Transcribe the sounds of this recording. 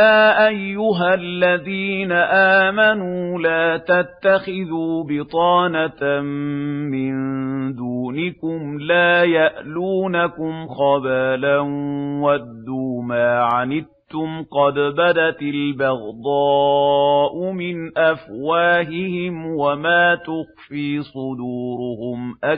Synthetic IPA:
jaːʔajːʊɦalːaðiːnaʔaːmanuːlaːt̪at̪ːaxɪðuːbɪt̪ˤɑːnat̪ | mɪnd̪uːnɪkʊmlaːjaʔluːnakʊmxɑbaːlanwad̪ːuːmaːʕanɪb̚t̪ʊmqɑd̪bad̪at̪ɪlbɑɣd̪ˤɑː | ʔʊmɪnʔafwaːɦɪhɪmwamaːt̪ʊxfiːsˤʊd̪uːɾʊhʊmʔa

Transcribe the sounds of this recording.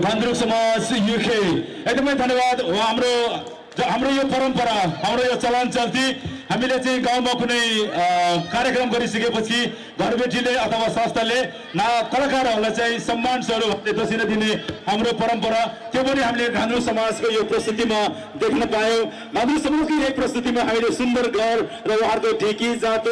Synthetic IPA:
ɡʱãnd̪ɾuɡsʌmad͡zjukʰe | eɡ̚d̪ʌmʌjd̪ʱʌnːjebad̪ɦamro | ɦamrojopʌɾʌmpʌɾaɦamɾojot͡sʌlant͡sʌlt̪ʰiɦamilet͡saĩɡawnmakunʌj | kaɾjʌkrʌmɡʌɾisʌkepʌt͡sʰi | ɡʱʌɾbeʈileʌt̪ʰʌwasast̪ʰʌle | nakʌlakaɾʌɾulajt͡saĩsʌmːansʌɾubʱʌnled̪ʌsinʌd̪ineɦamɾopʌɾʌmpʌɾat̪jopʌniɦamileɡʱãnɾusʌmad͡zkojoprʌst̪ut̪ima | d̪ekʰnʌpajõ | ɡʱãnɾusʌmokiek̚prʌst̪ut̪imaɦamilesund̪ʌrɡʱʌrrʌuɦãrkoɖʱikid͡zãt̪

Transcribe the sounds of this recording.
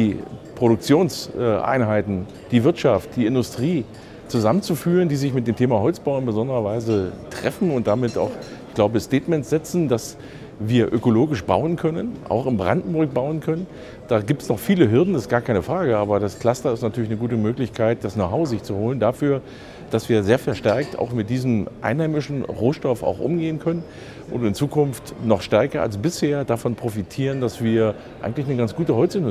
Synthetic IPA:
d̥iːpʁ̥oɾʊk̚t͡sjoːnsɛʔa̰ɪnɦaɪtn̩ | d̥iːvɪɐtʃaft̚d̥iːɪndʊstʁ̥iː | t͡suzamənt͡sufyːʁ̞əndiːzɪçmɪt̚d̥eːmtʰeːmaɦɔlt͡sb̥aʊɪnbəzɔndəʁɐvaɪzətʁ̥ɛfn̩ʊnt̚d̥amɪta̰ʊxɡ̥laʊbəstɛːtmɛntsz̥ɛt͡sn̩das | viːɐʔøkoloːɡɪʃb̥a̰ʊənkʰœnənʔa̰ʊxɪnbʁa̰ndn̩bʊɐk̚b̥aʊənkʰœnən | d̥aːɡiːp̚tsnɔχfiːləɦɪɐdn̩dast̚ɡ̥aːɐkʰaɪnəfʁ̥aːɡəʔaːbɐdaskʰl̥astɐɪstnatʰyɐlɪçnəɡuːtəmøːklɪçkʰaɪt̚d̥asnoʊɦaʊzɪçt͡suhoːləndafyːɐ | d̥asv̥iːɐzeːɐfɛɐʃtɛɐk̚ta̰ʊxmɪt̚d̥iːzəmʔa̰ɪnhaɪmɪʃn̩ʁoːʃtɔfa̰ʊxʔʊmɡeːənkʰœnən | ʔʊ̰ndɪnt͡suːkʰʊnftnɔχʃtɛɐkɐa̰lsb̥ɪsheːɐdafɔnpʁ̥ofitʰiːʁ̞əndasv̥iːɐ | ʔaɪɡŋ̩tlɪçnəɡant͡ssɡ̥uːtəhɔt͡sɪn

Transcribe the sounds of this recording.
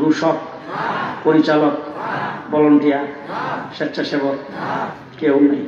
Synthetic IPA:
ɾuʃɔk | poɾit͡ɕalokbɔloɳʈija | ʃetːʃʰaʃebɔk̪ | kewŋi

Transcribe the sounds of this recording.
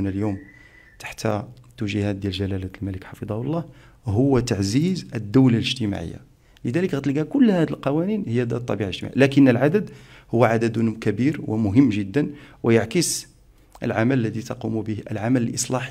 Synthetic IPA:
nəljum | t̪ḁħt̪æt̪ːuʒəhæt̪̚d̪jælʒælælæt̪əlmæləkħɑfɨd̪ˤɑhʊlˤːɑh | ɦʊwːæt̪aʕzizəd̪ːəwlaləʒt̪əma̰ʕə̰jːa̰ | ləd̪æləkɣæt̪əlɡækʊlːhæd̪əlqɑwæninhəjːæd̪t̪ˤːɑbiʕaləʒt̪maʕḭlækənːəlʕad̪əd̪hʊwːæʕad̪əd̪kæbiɾwəmʊɦəmːʒəd̪ːənwəjaʕkəs | ʔə̰lʕamæləlːæd̪it̪ɑqumbəhə̰lʕamæləlʔəsˤlɑħ

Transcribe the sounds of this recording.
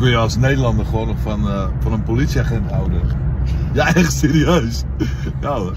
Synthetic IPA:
kənjəɑlˠsnejdəlɑndərχəʋoːnfɑnfɑnənpolitsiaχɛntɦawdənjaɛχtseːɾiøs | ja

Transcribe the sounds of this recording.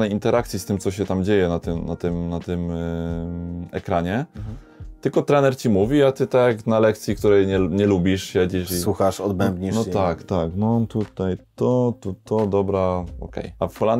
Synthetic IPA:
nɛjint̪ɛɾʔakt̪sʲjist̪ɘmt̪ɔɕɛt̪amd͡ʑejɛnat̪ɘmna̰t̪ɘmnat̪ɘm | ɛ̰kɾaɲɛ | t̪ɘlkɔt̪ɾɛnɛɾt͡ɕimuvʲiat̪ɘt̪aknalɛk̚t̪sʲjik̚t̪uɾɛjɲɛɲɛlubʲiʂɕɛd͡ʑiʂiswuxaʂɔd̪bɛmbɲinɔt̪akt̪aknɔt̪ut̪ajt̪ɔt̪ut̪ɔd̪ɔbɾaɔ̰kɛ̰jafxɔlan

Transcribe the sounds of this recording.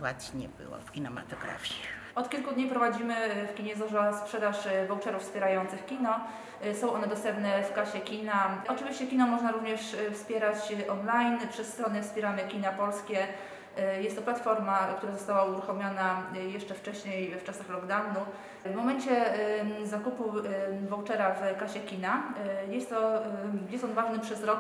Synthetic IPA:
wa̰t̪ɲɛ̰bɘ̰wɔ̰fkʲinɛma̰t̪ɔɡɾa̰fʲjɛ | ɔt̪kʲilkud̪ɲipɾɔvad͡ʑimɘfkʲiɲɛzɔʐaspʂɛd̪aʂvɔwt͡ʂɛɾufspʲjɛɾajɔnt̪sɘxkʲinɔ | sɔ̃w̃ʔɔnɛd̪ɔst̪ɛmpnɛfkaɕɛkʲinaɔt͡ʂɨvʲiɕt͡ɕɛkʲinɔmɔʐnaɾuvɲɛʂfspʲjɛɾat͡ɕʔɔnlajnpʂɛsːt̪ɾɔnɛfspʲjɛɾamɛkʲinapɔlskʲɛ | jɛst̪ːɔplat̪fɔɾmak̚t̪uɾazɔst̪awauɾuxɔmʲjɔnajɛʂt͡ʂɛft͡ʂɛɕɲejft͡ʂasaxlɔɡd̪awnu | vmɔmɛɲt͡ɕɛzakupuvɔwt͡ʂɛɾavkaɕɛkʲinajɛst̪ːɔjɛst̪ɔnvaʐnɘpʂɛzɾɔk

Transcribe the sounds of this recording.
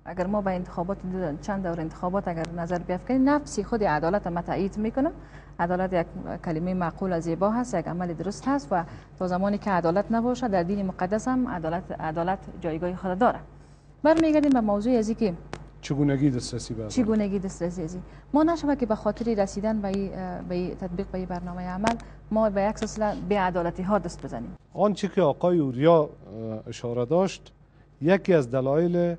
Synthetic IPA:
aɡaɾmɔbaɪnt̪ɪ̥xɔbɔt̪t͡ʃand̪awɾɪnt̪ɪ̥xɔbɔt̪aɡaɾnazaɾbɪafkad̪emnafsɪxʊd̪ɪad̪ɔlat̪amat̪a̰id̪mekʊna | ad̪ɔlat̪jaɡkːalɪmejimaqulazebɔɦast̪jaɡa̰malɪd̪ʊɾʊst̪hast̪wat̪ɔzamɔnikɪad̪ɔlat̪nabɔʃad̪aɾd̪inɪmʊqad̪ashama̰d̪lat̪a̰d̪ɔlat̪d͡ʒɔjɡɔhɪxʊd̪ad̪ɔɾa | baɾmeɡaɾd̪embamawzoazikɪt͡ʃʰɪɡunaɡid̪ɪst̪ɾasibat͡ʃʰɪɡunaɡid̪ɪst̪ɾas̬iazi | mɔnaʃawakɪbaxɔt̪ɪɾɪɾasid̪anbaibait̪ʰat̪̚biːq̚baibaɾnɔmajamal | mɔbajaksɪlsɪlabead̪ɔlat̪iɦɔd̪ɪst̪̚bɪza̰nḛmɔnt͡ʃɪkɪɔːqɔjiuɾjɔ | ɪʃɔɾad̪ɔʃt̪ | jakiazd̪alɔjɪlɪ

